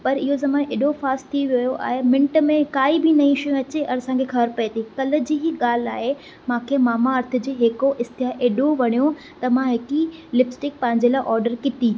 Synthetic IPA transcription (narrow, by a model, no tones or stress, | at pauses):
pɐɾɪɦozɐmaːneːɗofaːsʈt̪ʰiʋjojoʔa̰ːɦemɪ̃ɳʈəmẽkaːibɪnɐĩʃɐjũɐt͡ɕeʔɐɾsãːkʰexɐbəɾpɐet̪ikɐlə̆d͡ʑiːɦɪɠaːl̤a̰ːɦe | mãːkʰemaːmaɐɾt̪ʰʊ̆d͡ʑeːɦɪkoʔɪst̪ɪaʔeːɗoʋɐɽ̃ijo | t̪ɐmãɦɪkilɪpsʈɪk̚pɐ̃ɦɪ̃ɲd͡ʑelaːɪʔɔːɾɖəɾkɪt̪i